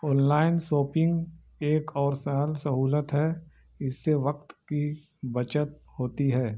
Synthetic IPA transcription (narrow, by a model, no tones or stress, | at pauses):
ɔ̃ːnlaːɪnsoːpɪ̃ŋɡ | eːkɔːɾsaːlsɐɦuːlət̪ɦɛː | ɪsːeʋɐqt̪ki | bɐt͡ʃət̪̚ | hoːt̪iɦɛː